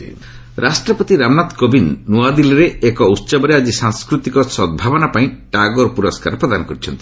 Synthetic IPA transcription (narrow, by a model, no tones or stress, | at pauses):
ɾʔasʈɾɔpɔt̪iɾamnat̪kobinːuad̪ilɔɾeekɔut̪ːsɔbɔɾead͡ʒisãŋskɾut̪ikɔsɔd̪̚bʱabɔnapaĩʈaɡoɾpuɾɔska̰ɾɔpɾɔd̪anɔkɔɾit͡ʃʰɔnt̪i̥